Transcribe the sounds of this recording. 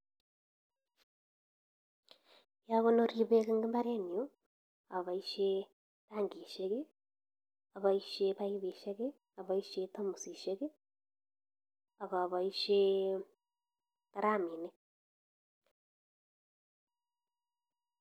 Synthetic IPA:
ja˦ɣo˦no˦ɾi˦βe˦ɣe˦ŋɡe˦mba˦ɾe˦n˨o˦ | aβa˨iʃe˦ | ta˦ŋɡi˨ʃe˦ɣe˦ | a˨βaiʃe˦βai˦βi˨ʃe˦ɣe˦ | a˨βa˨i˦ʃe˦ta˦mu˨si˨ʃe˦ɣe˦ | a˨βa˨βa˨i˦ʃe | ta˦ɾa˦mi˨ne˦

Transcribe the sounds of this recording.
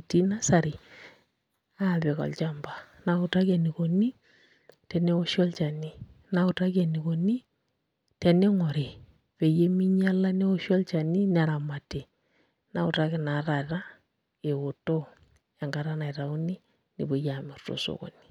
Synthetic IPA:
ti˦na˦sa˨ɾi˨ | a˦˨be˨kɔ̰˨lt͡ʃa˦mba˨na˦kʊ˨ta˦kɛ˨ni˨ko˨ni˦ | tɛ˨ne˦o˦ʃɔ˦lt͡ʃa˨ni˦ | na˨˦kʊ˨ta˦kɛ˨ni˨ko˨ni˦ | tɛ˨ne˦ŋɔ˨ɾe˨ | pe˨je˦mi˦ɲa˦la˦ne˦o˦ʃɔ˦lt͡ʃa˨ni˦n˨a˨ɾa˨ma˨te˨ | na˨ʊ˨ta˦kɪ˨na˨ɾa˨ta˦ | e˨wo˨to˦ | a˨ŋɡa˨ɾa˦na˨ɪ˨ɾa˨ʊ˦ni˦ | nḭ˨bo˦ja˨mɛ˨rto̰˨so̰˨ko̰˨ni̥˨

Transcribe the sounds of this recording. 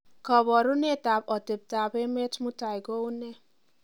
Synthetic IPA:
kɔ˨βɔ˨ɾu˦ne˦˨ta˨pɔ˨te˨p̚ta˨be˦me˦tmu˦ta˨jɡo˦u˦ne˦

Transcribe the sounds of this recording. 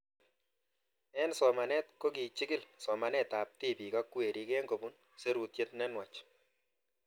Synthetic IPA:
ɛ˦nsɔ˨ma˨nɛ˦t̚ko˦ki˨t͡ʃɪ˦ɡɪ˦lsɔ˨ma˨nɛ˦ta˨p̚ti˦pi˨ka˦kːwe˨ɾi˦kɛ˦ŋɡo˨bu˦n | se˦ɾu˨tje˦tnɛ˦nwa˨t͡ʃ

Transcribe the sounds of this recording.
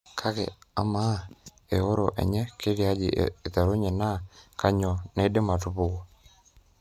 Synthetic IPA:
kʰa˦kɛ̰˨a˦ma˦ | e˨o˦ɾɔ˨ʔɛ̰˨ɲɛ˦ke˦ɾja˦d͡ʒɪ̰˨e˨t̪a˨ɾo˦ɲɛ˨na˦ka˦ɲɔ˨nɛ˨˦de˦ma˨tu˦pʊ˦ko˨

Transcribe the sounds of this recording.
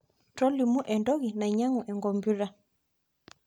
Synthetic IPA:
tɔ˦li˨mu˦ʔɛ˨ndɔ˦ɣi˨na˨i˨ɲa˦ŋu˨ʔɛ˨ŋɡɔ˨mbu˦ɾa˦

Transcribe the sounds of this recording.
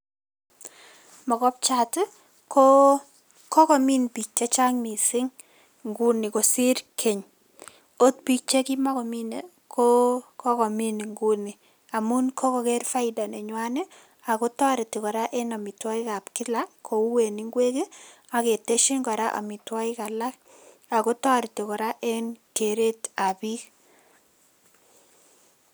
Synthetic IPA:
mɔ˨ɡɔ˦p̚t͡ʃa˦t | kʰo˦ | kɔ˦kɔ˨mi˦npi˨k̚t͡ʃe˦t͡ʃa˦ŋmi˨sɪ˦ŋ | ŋɡu˦ni˨ko˨si˦ɾkʰe˨ɲ | o˦t̪̚pi˦k̚t͡ʃe˦ki˦ma˦kɔ˨mi˦ne˨ | kʰo˦kʰɔ˦kɔ˨mi˦ni˨ŋɡu˦ni˨ | a˨mu˦nkʰo˦kɔ˨ke˦ɾfa˦ɪda˨ne˨ɲwa˦ne˦ | a˨ko˦tɔ˦ɾi˨ti˨kɔ˨ɾa˦ʔe˦na˨mi˨twa˦i˦ka˨pkɪ˦la˦kʰo˨u˦we˨ni˨˦ŋɡwe˦ke˦ | a˨ke˨te˦ʃi˦ŋɡɔ˨ɾa˦ʔa̰˨mi˨twa˦i˦ka˨la˦k | a˨ko˦tɔ˦ɾi˨ti˨kɔ˨ɾa˦ʔe˦nke˨ɾe˦ta˨bi˦k

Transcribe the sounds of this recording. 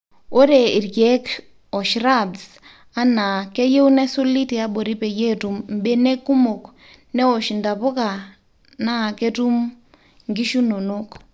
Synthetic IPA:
o˦ɾe˨i˨rɡɛ˨˦k | ɔ˨ʃɾa˦˨ds | a˦na˨ke˦je˦wu˦nɛ˦so˦li˦ti˨a˦ɓo˨ɾi˦pɛ˨je˦tu˨mm˨bɛ˦nɛ˦ku˦mo˨k | nɛ˦o˨ʃi˨nda˨po˦ka˨ | na˦˨ke˦tu˦m | ŋɡi˦ʃu˦no˨no˦k

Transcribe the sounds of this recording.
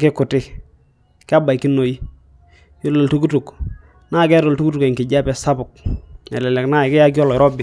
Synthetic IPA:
kɪ˦kʊ˨tɪ˦ | kɪ˦a˦ba˨jkɪ˦no˨ji˦ | jo˦lo˨ltu˦k̬u˦tu˨k | na˦˨kɛ˦ɾo˨ltu˦ku˦tu˨kɛ˨ŋkɪ˨d͡ʒa˦pɛ˨sa˦bʊ˨knɛ̰˨lɛ˨lɛ˨kna˦ɪ˨kɪ˦ja˦kjɔ˦lɔ˨ɪ˨ɾɔ˦bɪ˨

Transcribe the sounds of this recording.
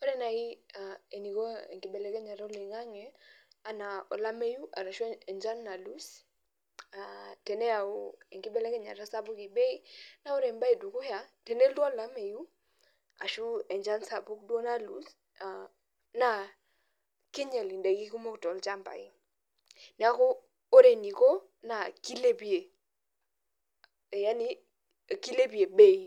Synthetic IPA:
ɔ˦ɾɛ˦na˨i˦ae˨ni˨kɔ˦ɛ˨ŋki˨bɛ˨lɛ˦kɛ˦ɲa˨ɾa˦li˨ŋa˦ŋɛ˦a˦na˨ɔ˨la˦me˦ju˦ʔa̰˨ɾa˨ʃu˦ɛ˨ɲd͡ʒa˦nːa˨lu˦s | a˨tɛ˨nɛ˦a˨u˦ɛ˨ŋki˦bɛ˨lɛ˦kɛ˦ɲa̰˨ɾa˦sa˦bu˦ke˨bɛ˦i˦na˦u˦ɾɛ˨mba˦i˨du˨ku˦ja˨tɛ˨nɛ˦ldɔ˦˨la˦me˨ju˦ | a̰˨ʃu˦ɛ˨nd͡ʒa˦nsa˨bu˦k̚do˦na˦lṵ˨˦s | a˨ | na˦˨ | ki˦ɲe˨li˨nde˨ki˦ku˦mo˦ktɔ˨lt͡ʃa˦mba̰˨i˦ | nɛ˨a˦koː˦ | ɾe˨ni˨ko˦ | na˨ki˦le˦bi˦e˨ | ja˦ni˦˨ | ki˦le˦bi˨e˨be˦i˨

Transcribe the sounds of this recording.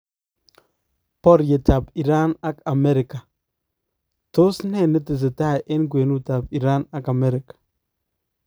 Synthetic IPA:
pɔ˦ɾje˨ta˨pi˨ɾa˦na˦ka˨mɛ˦ɾɪ˨ka˨ | tʊ˦snɛ˦˨nɪ˦tɪ˨s̬ɪ˨ta˦˨jʔɪ˦nkwe˨nu˦ta˨pi˨ɾa˦na˦ka˨mɛ˦ɾɪ˨kḁ˨

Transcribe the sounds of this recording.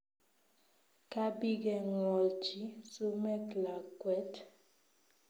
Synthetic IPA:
ka˦bi˦ɡɛ˨ŋwɔ˨lt͡ʃi˦su˦mɛ˦kla˨kwɛ˨˦t

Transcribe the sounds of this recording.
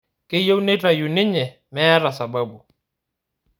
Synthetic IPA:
kɪ˦jo˦wne˦ta˨ju˨nɪ˦ɲɛ˨ | mɛː˦ɾa˨sa˨ba˦bu˨

